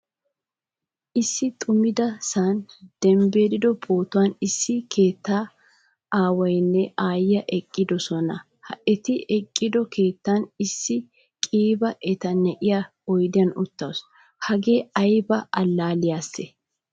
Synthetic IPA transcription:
ʔɪsːɪt̪ʼʊmɪd̪ɐsaːnd̪̥ɛmbe̞ːd̪ɪd̪ɔbo̞ːt̪ʊwaːnɪsːɪkʰe̞ːt̪ːaː | ʔaːwɐjnːɛʔaːjɐʔɛkʼːɪd̪ɔsɔnɐ | hɐɛt̪ɪʔɛkʼːɪd̪ɔkʰe̞ːt̪ːanɪsːɪ | kʼiːbɐʔɛt̪ɐnːɛʔɪja | ɔjd̪ɪjɐnʊt̪ːɐws | hɐɡe̞ːɐjbɐʔɐlːaːlɪjaːsːɛ

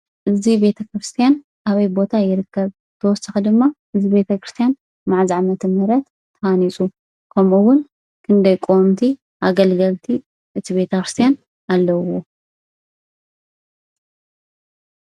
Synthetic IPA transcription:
ʔɨzibe̞t̪ʰɐkɾɨst̪ʰijan | ʔaβɐjbo̞t̪ʰajɪɾɨkːɐβ | t̪ʰɐwɔsaxid̪ɨmːaʔɨzibe̞t̪ʰɐkɾɨst̪ʰjan | maʕzaʕmɐt̪ʰɨmɨɾɐt̪ʰːɐanisʼu | kʰɐmuwʊn | kʰɨnd̪ɐjkʼomt̪ʰi | ʔaɡɐlɡɐlt̪ʰi | ʔɨt̪ʰiβe̞t̪ʰɐkɾɨst̪ʰijan | ʔalːɐwo

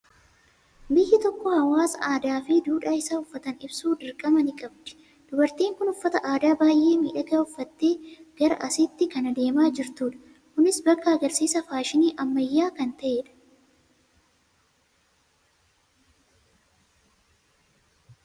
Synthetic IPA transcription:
bɪjːɪt̪ɔkːɔhɐwaːsɐʔaːd̪aːfɪd̪uːᶑaːɪsaːʊfːɐt̪ɐnɪbsuːd̪ɪɾkʼɐmɐnɪkʼɐbd̪ɪ̥ | d̪̥ʊbɐɾt̪iːŋkʊnʊfːɐt̪ɐʔaːd̪aːbaːjʔe̞ːmiːᶑɐɡɐʊfːɐt̪ːeːɡ̥ɐɾɐ̰ʔɐsɪt̪ːɪkɐnɐd̪e̞ːmaːd͡ʒɪɾt̪uːᶑɐ̥ | kʊnɪsbɐkːɐɐɡɐɾsiːsɐfaːʃɪniːʔɐmːɐjːaːkɐnt̪ɐʔeːᶑɐ̥

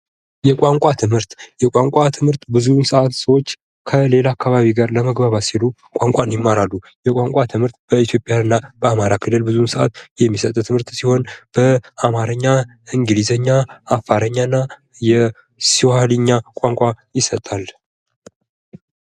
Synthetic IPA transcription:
jɛkʷʼaŋkʷʼat̪ʰɨmhɨɾt̪jɛkʼaŋkʷʼat̪ʰɨmhɨɾt̪bɨzunsəʔat̪səwo̞t͡ʃː | kʰəle̞laːkʰːaβaβiɡaɾləməɡbaβasilu | kʼaŋkʷʼanjɪmːaɾalːu | jɛkʼaŋkʷʼat̪ʰɨmhɨɾt̪̚b̥əit̪ʰjo̞pʼjanɨnːabəamaɾakʰɨlɨlbɨzunsəʔa̰t̪jɛmːisət̪ʼt̪ʰɨmhɨɾt̪siho̞nb̥əamaɾəɲːa | ɨŋɡɨlizəɲːaːfːaɾəɲːanːa | jɛ | siwalɨɲːakʷʼaŋkʷʼajɪsət̪ʼal

